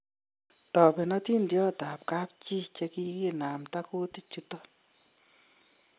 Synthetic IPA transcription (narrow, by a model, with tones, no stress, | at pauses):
tɔ˨pɛ˨nɔ˦ti˦ndjɔ˦ta˨p̚ka˦p̚t͡ʃi˦t͡ʃɛ˧ki˦ki˦na˨mta˦ko˦ti˦t͡ʃu˦tɔ˦